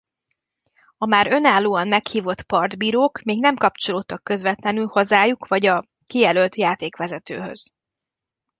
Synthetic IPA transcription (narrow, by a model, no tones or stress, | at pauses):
ɒmaːɾø̞naːlːoːɒmmɛkhiːvo̞t̪pɒrd̪biːɾoːkmeːɡnɛmkɒpt͡ʃo̞loːt̪ːɒkːø̞zʋɛt̪lɛnylho̞zaːjukʋɒɟɒ | kijɛlølt̪jaːt̪eːkʋɛzɛt̪ø̰ːɦø̰z̥